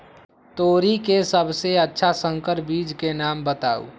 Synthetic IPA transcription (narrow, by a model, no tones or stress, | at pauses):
t̪oːɾikesəbʱseətːʃʰasə̃ŋkəɾbiːd͡ʒkenaːmbət̪a̰ːṵː